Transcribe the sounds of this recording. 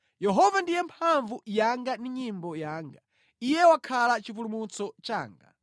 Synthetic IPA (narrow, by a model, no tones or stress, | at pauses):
jɛɦɔvandijɛmpʰaɱvujaŋɡandiɲimbɔjaːŋɡa | ijɛwakʰalat͡ʃip̬ulumut͡sɔt͡ʃaːŋɡa̰